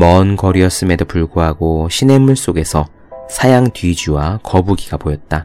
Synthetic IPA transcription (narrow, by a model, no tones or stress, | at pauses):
mʌnkʌɾiʌs͈ɯme̞dopuɭɡoɦaɡoɕʰine̞muɭs͈oɡe̞sʰʌ | sʰajaŋtɥid͡ʑuwakʌbuɡiɡapojʌt̚t͈a